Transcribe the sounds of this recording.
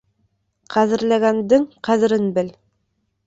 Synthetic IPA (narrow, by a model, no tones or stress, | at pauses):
qæðɘ̆ɾlæɡænd̪ɘŋqæðɘ̆ɾɘnbɘl